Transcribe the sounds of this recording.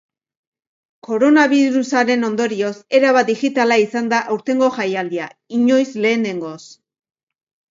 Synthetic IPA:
ko̞ɾo̞naβiɾusaɾe̞no̞nd̪o̞ɾio̞se̞ɾaβad̪ixit̪alaisand̪aʔawɾt̪e̞ŋɡo̞ʝajald̪iaiɲo̞jsle̞ːne̞ŋɡo̞s

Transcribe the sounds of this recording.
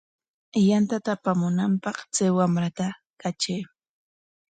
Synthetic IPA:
jant̪at̪aːpamʊnampɑχt͡sajwamɾat̪a | kat͡ʃej

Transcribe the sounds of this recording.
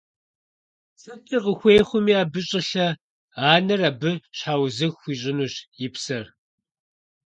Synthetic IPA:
sɐtʼiːqəxʷeːχʷʊmiːaːbɨɕʼɪɬɐ | aːnɐrɐbɨɕħaːwzɨxʷiːɕ̬ʼɪnuːɕjɪpsɐr

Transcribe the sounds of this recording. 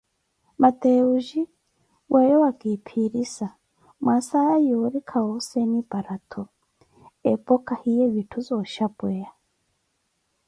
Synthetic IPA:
mat̪ɛuʒi | wʔɛjɔwakipʰiɾisa | mwasaajɔɾikʰaɔsɛnipaɾat̪ʰɔ | ɛpɔkahijɛβitʰuzɔʃapwɛa

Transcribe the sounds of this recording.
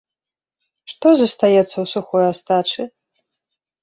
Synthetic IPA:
ʂt̪ɔzɐst̪ajɛt̪sːɐwsuxɔjast̪at͡ʂɨ

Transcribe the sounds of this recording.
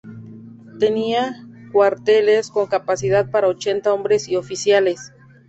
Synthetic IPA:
t̪e̞niakwaɾt̪e̞lesko̞ŋkapasiðað̚paɾaot͡ʃe̞nt̪ao̞mbɾesio̞fisjale̞s

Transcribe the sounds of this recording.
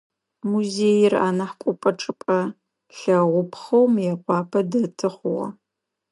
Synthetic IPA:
muzeːjɪra̰ːnɐħkʷʼʊpʼɐʈ͡ʂʼɨpʼɐ | ɬɐʁʷʊpχɐwmjɛqʷɑːpʰɐdɐtʰɨχʷʊʁɐ̰

